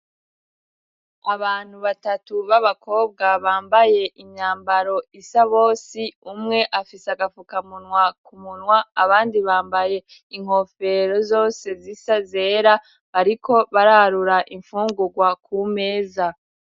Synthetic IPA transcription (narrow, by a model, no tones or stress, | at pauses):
aβaːn̥huβatatuβaβako̞ːb̚ɡaβaːmbaje̞ʔiɲɲaːmbaɾo̞isaβo̞ːsiumŋe̞ʔafisaɡafukamunŋwakumunŋwaaβaːndiβaːmbaje̞ | iŋ̥ho̞fe̞ɾo̞zo̞ːse̞zisaze̞ɾa | βaɾiko̞βaɾaɾuɾaʔiɱfuːŋɡuɡwakume̞ːza